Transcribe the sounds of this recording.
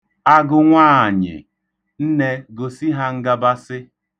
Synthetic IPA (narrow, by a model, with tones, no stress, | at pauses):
a˦ɡʊ˨ŋʷaː˦˨ɲɪ̰˨ | n̩˦ne˦ɡo˨si˦ɦa˦ŋ̩˦ɡa˦ba˦sɪ˦